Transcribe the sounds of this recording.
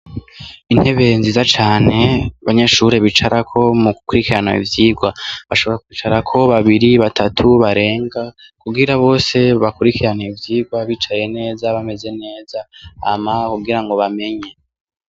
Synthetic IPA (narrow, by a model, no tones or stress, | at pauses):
in̥he̞βe̞nziːzat͡ʃaːne̞aβaɲe̞ːʃuɾeβit͡ʃaɾʔakʰo̞muɡukuɾikiɾana̰ḭvjiːɡwaβaʃo̞βo̞ɾakwiːt͡ʃaɾakʰo̞βaβiɾiβatʰatʰuβaɾe̞ːŋɡakuɡiɾaβo̞ːse̞βakuɾikiɾanaivjiːɡwaβiːt͡ʃaje̞ne̞ːzaβame̞ze̞ne̞ːzaa̰makuɡiɾaŋɡo̞βame̞ɲe